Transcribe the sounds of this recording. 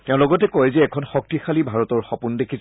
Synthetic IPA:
tɛʊ̃lɔɡɔtɛkojzɛːkʰɔnxɔk̚tixalibʱaɹɔtɔɹxɔpundekʰis

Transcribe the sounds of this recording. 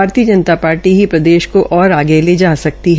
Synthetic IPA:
aːɾt̪iəd͡ʒənt̪apaːɾʈiɦipɾɐd̪eːʃkoʔɔːɾaːɡeled͡ʒaːsɐk̚t̪iɦ

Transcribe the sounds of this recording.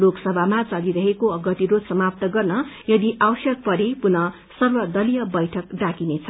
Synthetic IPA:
loksʌbʱamat͡saliɾʌɦekoʌɡʌt̪iɾosʌmap̚t̪ʌɡʌrnʌjʌd̪iʔawsjʌk̚pʌɾepunʌ | sʌrbʌd̪ʌlijʌbʌjʈʰʌkɖakinet͡sʰʌ

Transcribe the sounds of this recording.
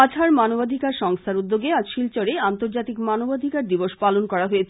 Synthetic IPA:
at͡ɕʰaɾmanobad̪ʱikaɾʃɔŋst̪ʰaɾud̪ːoɡead͡ʑʃilt͡ɕoɾeant̪oɾd͡ʑat̪ikmanobad̪ʱikaɾd̪iboʃpalonkɔɾaɦoet͡ɕʰ

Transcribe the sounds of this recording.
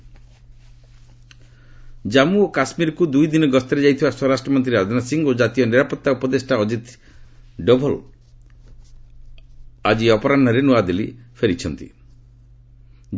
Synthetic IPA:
d͡ʒamuokasmiɾɔkud̪ujd̪inɔɡɔst̪ɔɾed͡ʒajt̪ʰibasɔɾasʈɾɔmɔnt̪̬ɾiɾad̪ʱɔnasiŋɡod͡ʒat̪ijɔniɾapɔt̪ːaupɔd̪esʈaɔd͡ʒit̪ | ɖɔbʱɔl | ad͡ʒiɔpɔɾanɔɾenuad̪elipʰeɾit͡ʃʰɔnt̪ḭ

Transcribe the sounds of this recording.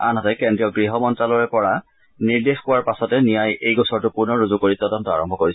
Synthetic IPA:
a̰nɦɔtɛkɛndɹijɔɡɹiɦɔmɔntɹalɔɹɛpɔɹa | niɹdexkʊwaɹpasɔtɛnijajejɡɔsɔɹtʊpuɹnɔɹuzukoɹitɔdɔntɔaɹɔmbʱɔkoɹis

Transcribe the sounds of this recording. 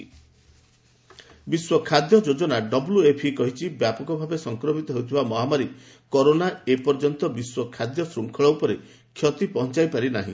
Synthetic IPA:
biswɔkʰad̪jɔd͡ʒod͡ʒɔnaɖɔbuluepʰikɔɦit͡ʃʰibjapɔkɔbʱabesɔŋkɾɔmit̪ɔɦeut̪ʰibamɔɦamaɾi | kɔɾonaepɔɾd͡ʒɔnt̪ɔbiswɔkʰad̪jɔsɾuŋkʰɔɭɔupɔɾe | kʰːjɔt̪ipɔɦɔnt͡ʃajpaɾinaɦḭ̃

